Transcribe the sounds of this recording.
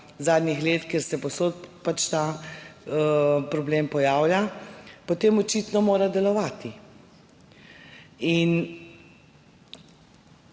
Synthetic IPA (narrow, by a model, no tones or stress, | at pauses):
zaːd̪nixleːt̪keɛɾsɛposoːt̪̚pat͡ʃt̪a | pɾɔbleːmpɔjaːwlʲjapɔt̪eːmɔt͡ʃit̪nɔmoːɾad̪ɛlɔʋaːt̪i | in